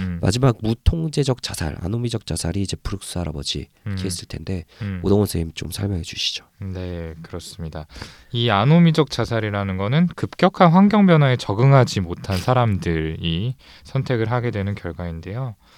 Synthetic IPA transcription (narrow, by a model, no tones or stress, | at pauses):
ma̰d͡ʑimaɡ̚mutʰoŋd͡ʑe̞d͡ʑʌk̚t͡ɕ͈asʰa̰ɭa̰nomid͡ʑʌk̚t͡ɕ͈asʰaɾiːd͡ʑe̞puɾɯk̚s͈ɯaɾabʌd͡ʑḭ | kʰies͈ɯɭtʰe̞nde̞odʌŋʌnsʰeimt͡ɕomsʰaɭmjʌŋɦed͡ʑuɕʰi̥d͡ʑo̥ne̞kɯɾʌs͈ɯmɲida | ianomid͡ʑʌk̚t͡ɕ͈asʰaɾiɾanɯnɡʌnɯnkɯp̚k͈jʌkʰanɸwaŋɡjʌŋbjʌnɦaet͡ɕʌɡɯŋɦad͡ʑimotʰansʰaɾamdɯɾi | sʰʌntʰe̞ɡɯɭɦaɡe̞dwe̞nɯnkjʌɭɡwainde̞jo